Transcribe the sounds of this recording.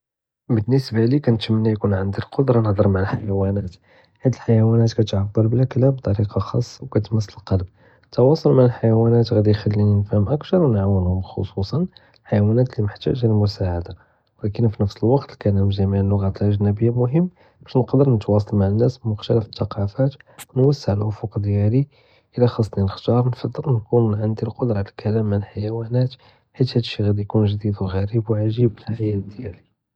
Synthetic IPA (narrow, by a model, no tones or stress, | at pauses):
bənːəsbalikænt̪əmənːæjkunʕənd̪ilqod̪ɾˤɑnəhd̪ˤəɾˤmaʕalħajæwænæt̪ | ħad̪əlħajæwænæt̪kæt̪ʕabːəɾˤblæklæbt̪ˤɑɾiqɑxɑsˤːɑwkæt̪məsːələlqɑlb̚ | t̪ːɑwɑsˤɑlmaʕəlħajæwænæt̪ɣæd̪ijxælːininfhəmʔəkt̪ɑɾˤwnʕawːənhʊmxo̰susˤɑn | ħajwænæt̪liməħt̪æ̰ʒæəlmʊsaʕad̪a | wlækənfinəfsəlwɑqt̪əlkælæmʒæmiʕəlːʊɣæt̪əlʔaʒnæbəjːamʊɦəmː | b̥æʃnəqd̪əɾnət̪wɑs̬ˤɑlmaʕənːæsbəmʊxt̪æləfə̥t̪ːɑqɑfæt̪wnwæsːəʕlʔʊfʊqd̪jæli | ʔəlæxɑsˤːninəxt̪ɑɾˤnfɑd̪ˤːəlnkunʕənd̪ilqod̪ɾˤɑʕlælkʰælæmːənlħajæwænæt̪ | ħit̪hæd̪əʃːiɣæd̪ijkunʒd̪id̪wɣæɾibwʕaʒibəlħajæt̪d̪jæli